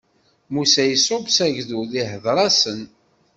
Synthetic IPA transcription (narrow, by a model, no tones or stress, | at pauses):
musæjəsobsæʝðuðihəðˤɾˤɑsən